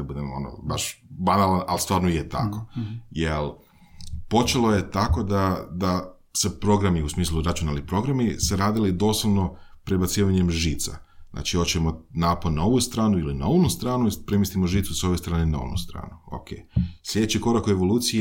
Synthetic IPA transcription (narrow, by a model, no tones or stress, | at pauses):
abud̪emo̞̰no̰baʃbanalanalˠst̪ʋaːɾnoijet̪a̰ko̞jelˠ | po̞t͡ʃeloje̞t̪ako̞d̪ad̪a | sepɾo̞ɡɾamiusmiːslˠuɾat͡ʃunalipɾo̞ɡɾamiseɾaːd̪ilid̪o̞slˠoʋno̞pɾebat̪siːʋaɲemʒiːt̪sa̰nʔa̰ːt͡ʃio̞t͡ʃemonaːponao̞ʋust̪ɾaːnuilinaonust̪ɾaːnuipɾemist̪imoʒiːt̪suso̞ʋjest̪ɾaːnenao̰nṵst̪ɾa̰ːnuo̰kʰeːslʎʲe̞d̪et͡ɕiko̞ɾakoeʋo̞lˠuːt̪sije